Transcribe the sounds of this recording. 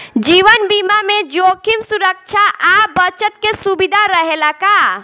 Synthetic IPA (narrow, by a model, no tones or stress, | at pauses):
d͡ʒiʋənbimamẽd͡ʒokimsuɾək̚t͡ʃʰaʔabət͡ʃət̪̚kesubid̪ʱaɾəɦelaka